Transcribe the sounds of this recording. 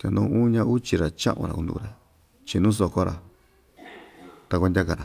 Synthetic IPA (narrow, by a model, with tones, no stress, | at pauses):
t̪a˨˧nũː˧˦ũː˦ɲã˧˦u˦t͡ʃi˧ɾa˨t͡ʃã̰˦ʔṵ̃˧ɾa̰˨ũ˧d̪ṵ˧ɾa˨ | t͡ʃi˧nũ˦s̬o˧ko˦ɾa̰˨ | t̪a˧kʷa˧ndʲa˦˧ka˧ɾa˨